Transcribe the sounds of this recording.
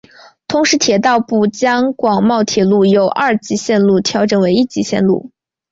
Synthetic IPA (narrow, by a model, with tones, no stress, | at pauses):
t̪ʰʊ˧˥ŋʂɻ̩˧˥t̪ʰjɛ˨˩t̪ɑ˥˧ʊpu˥˩t͡ɕjɑ˥ŋkwɑ˨˩ŋmɑ˥˩ʊt̪ʰjɛ˨˩lu˥˩jo˨˩ʊʔa˥˩t͡ɕi˧˥ɕjɛ˥˧nlu˥˩t̪ʰjɑ˧˥ʊʈ͡ʂɤ˨˩ŋwe˧˥ɪi˥˩t͡ɕi˧˥ɕjɛ̰˥˧nlṵ˥˩